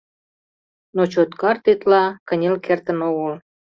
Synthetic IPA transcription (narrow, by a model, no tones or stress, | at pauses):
not͡ɕot̪kɑrt̪et̪lɑkə̆nʲelkert̪ə̆noɣəl